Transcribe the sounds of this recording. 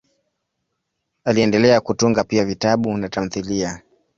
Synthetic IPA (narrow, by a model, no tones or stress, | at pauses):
aliɛndɛlɛakutuŋɡapiavitaɓunatam̩θilia